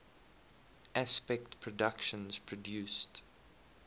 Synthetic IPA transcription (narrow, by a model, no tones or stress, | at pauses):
ʔaspɛk̚tpʰɹɔdakʃə̃nz̥pʰɹɔdjuːˑst